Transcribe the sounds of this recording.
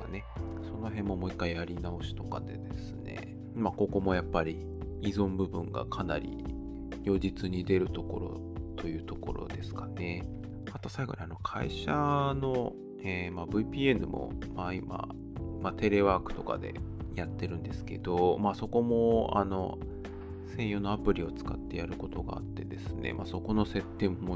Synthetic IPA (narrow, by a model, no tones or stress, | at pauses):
ane̞so̞no̞ɦẽ̞mːo̞mo̞ikːaiaɾʲinao̞ɕi̥t̪o̞kad̪e̞d̪e̞sɨne̞̰ | mako̞ko̞mo̞japːaɾʲi | izõ̞mbɯ̟bɯ̟̃ŋɡa̰kʰanaɾʲḭ | jo̞ːd͡ʑit͡sɨɲ̟id̪e̞ɾɯ̟t̪o̞ko̞̰ɾo̞̰ | t̪o̞jɯ̟ːt̪o̞ko̞̰ɾo̞̰d̪e̞sɨ̥kane̞ | at̪o̞saiɡo̞̰ɲ̟iano̞kʰa̰ḭɕano̞ | eːmabɯ̟ipʲiːe̞nɯ̟mo̞̰maima̰ | mat̪e̞ɾe̞βaːkɯ̟̥t̪o̞ka̰d̪e̞̰jat̪ːe̞ɾɯ̟̃nd̪e̞sɨ̥ke̞d̪̥o̞maːso̞ko̞mo̞a̰no̞̰ | sẽ̞ɰ̃jono̞apɯ̟ɾʲio̞t͡sɨ̥ka̰t̪ːe̞jaɾɯ̟ko̞t̪o̞ɡa̰ːt̪ːe̞d̪e̞sɨne̞̰mʔaso̞ko̞no̞se̞t̪ːẽ̞mːo